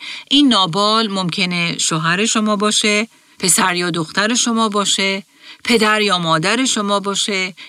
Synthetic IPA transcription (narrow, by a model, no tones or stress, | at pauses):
ʔinːɒːbɒːlmo̞mcʰe̞ne̞ʃoɦæɾe̞ʃomɒːbɒːʃe | pʰe̞sæɾjɒːd̪oxt̪æɾe̞ʃo̞mɒːbɒːʃe | pʰe̞d̪æɾjɒːmɒːd̪æɾe̞ʃo̞mɒːbɒːʃe